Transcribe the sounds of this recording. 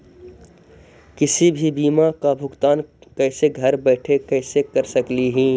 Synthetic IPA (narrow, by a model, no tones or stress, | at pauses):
kɪsibʱibiːmakabʱʊɡt̪aːnkɛːseɡʱɐɾbɛːʈʰekɛːsekɐɾsəkliɦĩː